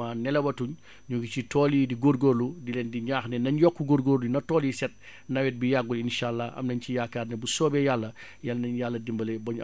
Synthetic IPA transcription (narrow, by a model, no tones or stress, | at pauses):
aːnɛlɐwɐtuɲ | ɲuɡicitɔliːdiɡoɾɡoːɾludilɛndiɲaːxnɛnɐɲjɔkːuɡoɾɡoɾlunɐtɔːljisɛt̚ | nɐwɛt̚bijaɡːulinʃaːlːaɐ̰mnɐɲcijakaːrnɛbusɔːbɛjalːɐ | jalnɐɲjalːɐdimbɐlɛbɐɲ